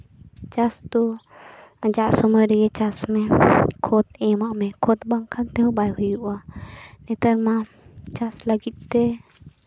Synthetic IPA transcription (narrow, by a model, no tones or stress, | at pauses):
t͡ʃast̪ɔ | d͡ʒaʔsɔmɔjɾɛɡɛt͡ʃasmɛkʰɔt̪ɛmaʔmɛkʰɔt̪baŋkʰant̪ɛɦɔbajɦujuʔanɛt̪əɾma | t͡ʃasləɡit̪̚ˀt̪ɛ